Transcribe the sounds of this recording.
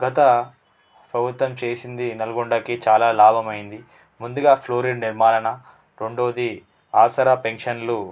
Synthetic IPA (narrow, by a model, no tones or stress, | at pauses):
ɡɐt̪ɐ | pɾɐbʱut̪wɐmt͡ʃe̞ːsind̪inɐlɐɡuɳɖɐkit͡ʃaːlaːlaːbʱɐmɐjind̪i | mund̪uɡaːpʰloːɾiɖniɾmaːlɐnɐ | ɾe̞ɳɖo̞ːd̪i | aːsɐɾapeŋʂɐnlu